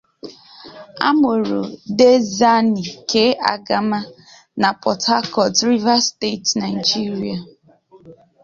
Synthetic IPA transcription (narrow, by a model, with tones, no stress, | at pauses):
a̰˦mʊ˨ɾo̰˨de˦za˦ni˨kʰe˦a̰˨ɡa˦ma˦ | na˨pɔ˨tʰa˦kɔ˨dɾi˦va˦ste˦˨tna˨i˨d͡ʒi˦ɾi˨a˨